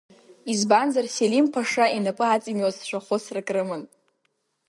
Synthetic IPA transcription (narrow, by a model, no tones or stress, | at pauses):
izbanzarselimpʰaʂainapʼɨat͡sʼimwazʃʷaχʷʊsrakʼrɨmɨn